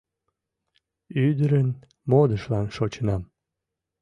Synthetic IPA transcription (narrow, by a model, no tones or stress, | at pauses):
yd̪əɾən | mod̪əʃlɑnʃot͡ɕənɑm